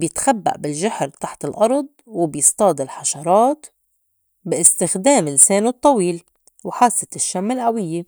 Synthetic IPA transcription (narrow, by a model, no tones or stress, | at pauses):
bjɪt̪xabːa̰ʔbɪlʒaħɾt̪aħt̪ɪlʔɑɾˤd̪̚ˤwɪbjɪst̪ˤɑːd̪ɪlħɑʃɑɾˤɑːt̪ | bɪʔɪst̪ɪxd̪eːmlɪseːnut̪ˤːɑwiːl | wħaːsːɪt̪ɪʃːamːɪlʔawɪjːe